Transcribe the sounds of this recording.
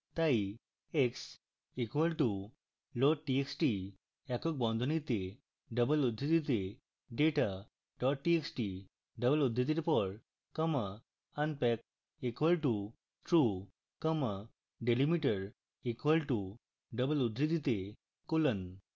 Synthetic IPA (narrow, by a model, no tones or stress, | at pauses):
t̪ai | eks | ikʋəlʈu | lɔʈ̚ʈieksʈi | ɛkɔk̚bɔ̃nd̪ʱɔnit̪e | ɖəbəlud̪ʱɾit̪it̪e | ɖeʈa | ɖɔʈʈieksʈi | ɖəbəlud̪ʱɾit̪̬it̪epɔɽ | kəma | ənpɛk̚ | ekʋəlʈu | ʈɾu | kəmə | ɖelimiʈəɾ | ikʋəlʈu | ɖəbəlud̪ʱɾit̪it̪e | kolən